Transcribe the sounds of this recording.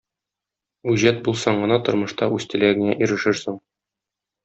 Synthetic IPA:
ʉʑæt̪̚bulˠsɑɴɢɤ̆nɑt̪ŏɾmɤ̆ʃt̪ɑʉst̪ɘ̆læɡɘ̆ŋæʔiɾɘ̆ʃɘɾsuɴ

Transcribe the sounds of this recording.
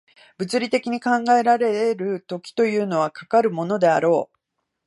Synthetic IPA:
b̥ɯ̟t͡sɨɾʲit̪e̞kʲiɲ̟ikãŋɡae̞ɾaɾe̞eɾɯ̟t̪o̞kʲi̥t̪o̞jɯ̟ːno̞β̞akakaɾɯ̟mo̞no̞d̪e̞aɾo̞ː

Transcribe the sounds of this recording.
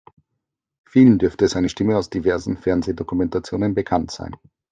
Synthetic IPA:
fiːlən̩dʏɐftəzaɪnəʃtɪməaʊsd̥ivɛɐzn̩fɛɐnzedokumɛntat͡sjoːnənbəkʰantz̥a̰ɪn

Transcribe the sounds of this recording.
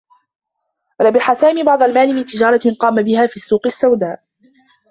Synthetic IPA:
ɾˤɑbɪħasaːmiːbɑʕd̪ˤɑlmaːlɪmɪnt̪ɪd͡ʒɑːɾˤɑqɑːmabɪhaːfiːsːuːqɪsːawd̪aːʔ

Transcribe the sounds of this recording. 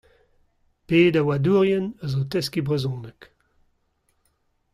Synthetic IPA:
peːd̪awaduːʁjɛnəzot̪ɛskibʁezɔ̃ːnək

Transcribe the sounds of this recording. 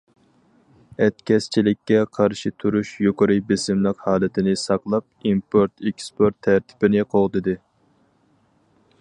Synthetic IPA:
ɛt̪kʲʰɛst͡ʃʰilɪkʲːɛqʰɑɾʃɪt̪ʰuɾuʃjoqəɾɨbɪsɪmlˠɨqhɑːlˠɨt̪ʰɪnɪsɑqlˠɑp̚impʰoɾt̪ekʲspoɾt̪ʰːæɾt̪ʰɪ̥bɪnɪqʰoʁd̪ɨd̪ɨ

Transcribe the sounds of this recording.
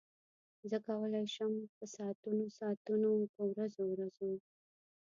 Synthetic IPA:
zəkawəlajʃəmpəsɑt̪unosɑt̪unopəwɾazowɾazo

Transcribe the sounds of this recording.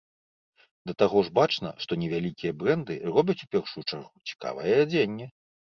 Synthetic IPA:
d̪ɐt̪aɣɔʐbat͡ʂnɐ̰ʂt̪ɔnʲɛvʲalʲikʲijɐbɾɛnd̪ɨ̰rɔbʲɐt͡sʲupʲɛrʂujut͡ʂarɣut͡sʲi̥ka̰vɐjɛad͡zʲenʲːɛ

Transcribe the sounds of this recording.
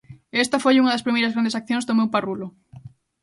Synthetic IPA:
est̪ɐfojuŋɐðɐspɾimejɾɐzɣɾand̪esak̚θjõŋzðomewparulʊ

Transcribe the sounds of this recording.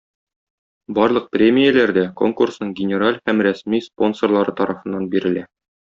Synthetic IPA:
bɒɾlˠɤq̚prʲemʲijælæɾd̪æko̞̰ŋkursnɤɴɡʲɪnʲɪɾalʲhæmɾæsmispo̞nsorlˠɑɾɤt̪ɒɾɑfɤ̆nːɑnbiɾɘ̆læ

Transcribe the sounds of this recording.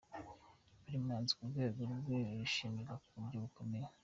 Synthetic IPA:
βuɾimŋaːnzi̥kuɾɡwe̞ːɡoɾubɡweɾuʃiːmiɾakuβuɾɟoβukomeje

